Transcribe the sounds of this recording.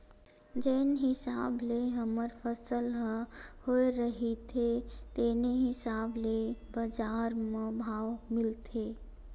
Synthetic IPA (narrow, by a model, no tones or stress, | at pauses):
d͡ʒeːnɦɪsaːbleɦəməɾfəsəlɦhoːeɾəɦit̪ʰet̪eːneɦɪsaːblebəd͡ʒaːɾmẽbʱaːwmɪlt̪ʰeː